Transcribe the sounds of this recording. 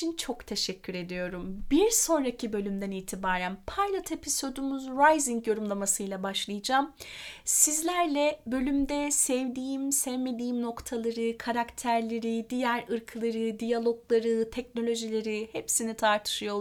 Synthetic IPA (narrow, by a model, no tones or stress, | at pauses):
int͡ʃʰo̞kt̪ʰe̞ʃɛcʲʰːyɾe̞d̪ijo̞ɾumbiɾso̞nɾacʰibø̞lʲymd̪æniːt̪ʰibaːɾænpʰajlˠat̪ʰepʰiso̞d̪umuzɾajziŋkjo̞ɾumlˠamasɯjlˠabaʃlˠɯjɯd͡ʒaːmsizlʲæɾlʲɛbø̞lʲymd̪ɛsɛvd̪iːimsɛvme̞d̪iːmno̞kt̪ʰalˠaɾɯkʰaɾakt̪ʰæɾlʲe̞ɾid̪ijæɾɯɾkʰɯlˠaɾɯd̪ijalˠo̞ɡlˠaɾɯt̪ʰɛc̚no̞lʲo̞ʒilʲe̞ɾihepsinit̪ʰaɾt̪ʰɯ̥ʃɯjo